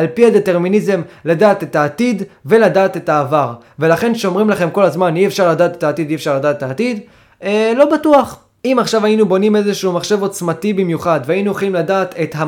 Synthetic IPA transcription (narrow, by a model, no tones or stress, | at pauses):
alpihad̪e̞te̞ʁminize̞mladaːt̪etaːt̪idve̞ladaːt̪e̞taːvaʁ | ve̞laχe̞nʃeomʁimlaχe̞mko̞lazmaniefʃaʁladaːt̪etaːt̪id̪iefʃaʁlad̪aːt̪etaːt̪id̪ | elo̞batuaχ | imaχʃavainubo̞nime̞zeʃuːmaχʃe̞vo̞t͡smatibimjuχad̪vainueχlimladaːt̪e̞tha